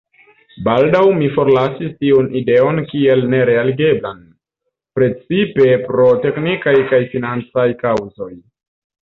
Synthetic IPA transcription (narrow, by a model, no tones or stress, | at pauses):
baldawmifo̞ɾlasistiunide̞o̞nkie̞lne̞ɾe̞aliɡe̞blan | pɾe̞t͡sipe̞pɾo̞te̞knikajkajfinant͡sajkawzo̞j